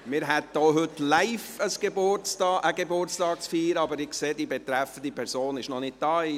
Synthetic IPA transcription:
mɪːɾɦɛt̚d̥oːɦʏtlaɪfəsɡ̥ebʊt͡stɑːʔəɡebʊrt͡sstɑːk̚t͡sfiːɾəɑbəɾɪkseːdibɛt̪ɾɛfən̩d̪ipʰɛɾsoːnɪʃnɔnɪt̚d̥ɑːi

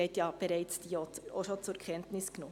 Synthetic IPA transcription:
ɛɪtjɑb̥ɛɾaɪt͡sd̥ioo̰ʃot͡sʊɾkʰɛntnɪsɡ̥nʊ

